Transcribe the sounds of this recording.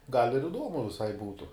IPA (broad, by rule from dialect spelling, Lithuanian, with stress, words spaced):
ɡɐlʲ ɪr ɪˈduɔmʊ ʋʲɪˈsɐɪ ˈbuːtʊ